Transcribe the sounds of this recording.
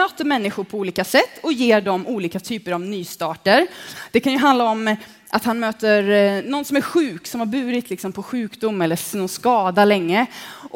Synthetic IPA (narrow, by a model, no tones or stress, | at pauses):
øːt̪əɾmɛnːɪɧʊɾpʰɔuːliːkasɛt̪ʰːɔjeːɖɔmuːliːkat̪ʰyːpəɾavnyːst̪ɑːʈəɾd̪̥ɛkʰanjɵɦand̪aɔm | ʔat̪hanmøːt̪əɾnɔnsɔmæɾɧʉ̟ːksɔmhaɾbʉ̟ːɾɪt̪ʰlɪksɔmpʰɔɧʉ̟ːkd̪ʊmːɛlːənɔnskɑːd̪alɛŋːə